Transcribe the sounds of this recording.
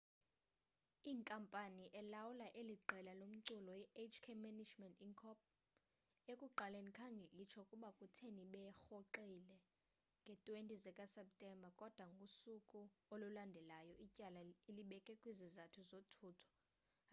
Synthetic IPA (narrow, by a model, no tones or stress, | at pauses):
iːŋkʼampʼaniʔɛlawulaʔeliǃɛlalom̩ǀulɔjɛʔet͡ʃʰkʰemɛnid͡ʒmɛntʼiŋkʰɔp̚ | ekʼuǃalenikʰaŋɡʱɛlit͡ʃʰɔkʼuɓakʼutʰeniɓɛxoǃilɛ | ŋɡʱɛtʼwentʼizɛkʼasɛp̚tʼɛmbʱakʼɔd̥ʱwaŋɡʱusukʼuolulandʱɛlajɔicʼalaeliɓɛkʼɛkʼwizizatʰuzotʰuːtʰɔ̥